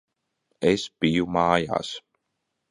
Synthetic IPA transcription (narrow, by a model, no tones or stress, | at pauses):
espijumɑːja̰ːs